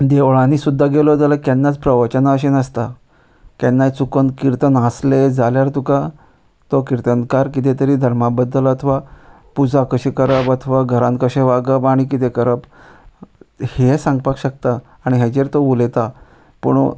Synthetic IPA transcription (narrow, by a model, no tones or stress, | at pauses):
d̪eʋɭãniːsud̪ʱːaɡelod͡zalakɛnːat͡spɾəʋət͡ɕənaəɕenəst̪a | kɛnːat͡sukənkiɾt̪ənɦasled͡zaljaɾt̪uka | t̪okiɾt̪ənkaɾkit̪̬et̪əɾiːd̪ʱəɾmabəd̪ːələt̪ʰʋa | pud͡zakəɕekəɾəbət̪ʰʋaɡʱəɾãnkəɕeʋaɡəbaɽ̃ikit̪ekəɾəb | hesãŋɡ̚pakɕək̚t̪aː | ɽ̃iɦed͡ʑeɾt̪oulet̪a | pəɳ